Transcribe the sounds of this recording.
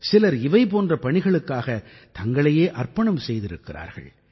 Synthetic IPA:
sɪlɐɾɪʋɐɪpoːndrɐpɐɳɪɣɐɭɯkːaːɣɐt̪ɐŋɡɐɭɐjeːʔɐrpɐɳɐmsɛjðɪɾɯkːɪra̰ːɾɣɐ̰ɭ

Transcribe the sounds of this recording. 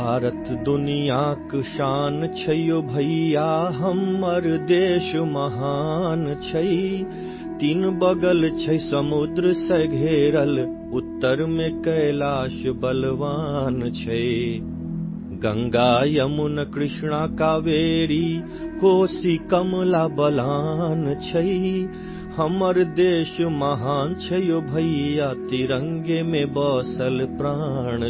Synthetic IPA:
bʱaːɾɐt̪d̪unijaːkʃaːnt͡ʃʰɐjobʱɐjaːɦɐmɐɾd̪eːʃmɐɦaːnt͡ʃʰɐi | t̪inbɐɡɐlt͡ʃʰɐisɐmud̪ɾɨsɐɡʱeːɾɐl | ut̪ːɐɾmẽkɐjlaːʃbɐlʋaːnt͡ʃʰɐe | ɡɐ̃ŋɡaːjɐmunɐkɾɪʃɳ̃aːkaʋeːɾiː | koːsikɐmlaːbɐlaːnt͡ʃʰɐi | hɐmɐɾd̪eːʃmɐɦaːnt͡ʃʰɐjobʱɐijaːt̪iɾɐ̃ŋɡemẽbɔːsɐlpɾaːɳ̃

